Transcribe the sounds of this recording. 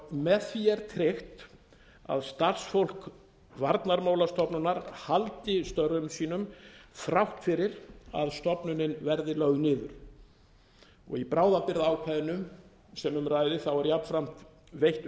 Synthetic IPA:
mɛθviɛɾt̪ʰɾɪxt̪ | a̰ðst̪ar̥sfowl̥k | vaɾt̪naɾmaːwlast̪ɔpnʏnaɾhalt̪ɪst̪œɾðʏmsiːnʏmθɾawht̪fɪɾɪɾa̰ðst̪ɔpnʏnɪnvɛɾðɪlœɣʏnɪːðʏɾ̥ | ɔ̰ɣipɾaːwðapɪɾðaaːwkʰvajðɪnʏm | sɛmʏmraːjðɪθawɛɾjapn̥fɾam̥t̪ | vejht̪

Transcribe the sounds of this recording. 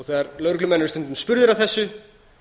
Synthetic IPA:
θɛːðaɾlœwɾklʏmɛjnɪɾst̪ʏnt̪ʏmspʏɾðɪɾavθɛsːʏ

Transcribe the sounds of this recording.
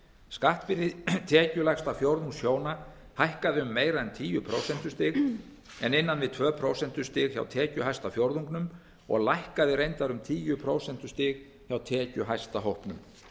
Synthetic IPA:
skaht̪vɪɾɪt̪ʰɛːcʏlajst̪afjowɾðuŋsjoːwnahajhkaðɪʏmːeːjɾaðɛnt̪ʰiːjʏpʰɾoːwsɛn̥t̪ʏ̥st̪ɪɣ | ɛnɪnːanvɪðt̪ʰvœːpʰɾoːwsɛn̥t̪ʏ̥st̪ɪːɣça̰wt̪ʰɛːcʏɦajst̪afjowɾðuŋknʏm | ɔ̰ɣlajhkaðɪɾejnt̪aɾʏmt̪ʰiːjʏpʰɾoːwsɛn̥t̪ʏ̥st̪ɪːɣ | çawt̪ʰɛːcʏɦajst̪aɦowhpnʏm

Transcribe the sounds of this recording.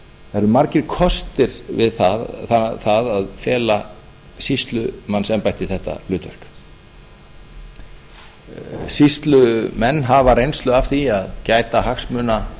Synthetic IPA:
θaɾʏmaɾcɪɾ̥kʰɔst̪ɪɾvɪðθaθaðaðfɛːla | sist̪lʏmanːsɛmpajht̪ɪ̥θɛht̪ːa̰lʏːt̪vɛr̥k | sist̪lʏmɛnːɦavaɾejnst̪lœɣafθiaðcaːjt̪aɦaxsmʏːna

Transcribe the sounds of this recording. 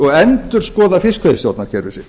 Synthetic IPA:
ɔɣɛnt̪ʏɾ̥skɔːðafɪskʰveðɪst̪jowt̪naɾ̥cʰɛɾvɪsɪ̥

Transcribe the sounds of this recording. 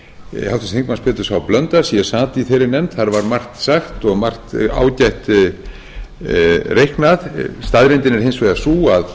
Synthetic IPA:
hawt̪ɪst̪ẽŋkmanspɛːt̪ʏsawplœnt̪aɾsjɛsaːt̪iθejɾɪɾnɛmt̪θaɾvaɾmar̥t̪saxt̪ɔɣmar̥t̪a̰ːwcajht̪ | rejhknaðst̪aðɾent̪ɪnɛɾ̥ɦejnsvejðasuːað

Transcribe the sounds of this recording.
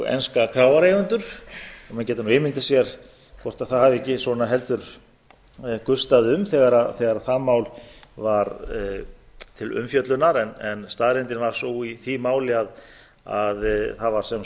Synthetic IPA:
ḛnskakʰɾawvaɾeːjɣʏnt̪ʏɾ̥ɔmɛncɛːt̪anuɪmɪnt̪ɪsjɛɾ̥ | kʰvɔr̥t̪aðθaðhavɪɛcːɪsɔnaɦɛlt̪ʏɾ̥ | kʏ̥st̪aðʏmθɛɣaɾaðθɛɣaɾaðθamaːwlvaɾ | t̪ʰɪlʏ̰mfjœt̪lʏnːaɾɛnɛnst̪aðɾɪnt̪ɪnvaɾ̥suwiθimaːwlɪað | aðθaðvaɾ̥sɛm

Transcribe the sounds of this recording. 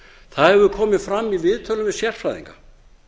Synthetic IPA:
θaðhɛvʏkʰɔːmɪðfɾamːivɪðt̪ʰœlʏmvɛsjɛr̥fɾajðḭŋka

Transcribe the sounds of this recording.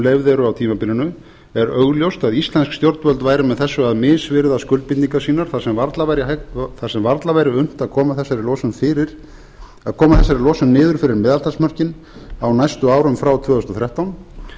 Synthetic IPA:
levðɛɾʏawt̪ʰiːmapɪlɪnʏ | ɛɾœɣljowst̪aðist̪lɛnskst̪jowɾt̪vœlt̪vaːjɾɪmɛðθɛsːʏaðmɪːðsvɪɾðaskʏlt̪̚pɪt̪niŋkasiːnaɾ̥θasɛmvaɾt̪lavajɾɪθasɛmvaɾt̪lavajɾɪʏn̥t̪aðkʰɔːmaθɛsːaɾɪlɔːsʏmfɪːɾɪɾ̥ | aðkʰɔːmaθɛsːaɾɪlɔːsʏmnɪːðʏɾ̥fɪɾɪɾmɛːðalt̪asmœr̥cɪn | awnajst̪ʏaːwɾʏmfɾawt̪ʰv̥œːðʏst̪ɔθɾjɛht̪awn

